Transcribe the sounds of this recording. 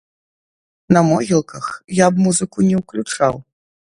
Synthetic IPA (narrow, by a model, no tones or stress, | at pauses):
nɐmɔɣʲilˠkɐxjabmuzɨkunʲɛwklʲut͡ʂa̰w